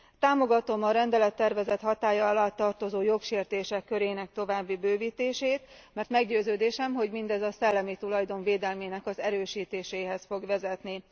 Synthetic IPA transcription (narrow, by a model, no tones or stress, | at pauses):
t̪aːmo̞ɡɒt̪o̞mɒɾɛnd̪ɛlɛt̪ːɛrvɛzɛt̪hɒt̪aːjɒlat̪ːɒrt̪o̞zoːjo̞kʃeːrt̪eːʃɛkːø̞ɾeːnɛk̚t̪o̞vaːbːibøːviːt̪eːʃeːt̪mɛrt̪mɛɡɟøːzøːd̪eːʃɛmɦo̞ɟmind̪ɛzɒsɛlːɛmit̪ulɒjd̪o̞ɱveːd̪ɛlmeːnɛkɒzɛɾøːʃiːt̪eːʃeːɦɛsfo̞ɡʋɛzɛt̪ni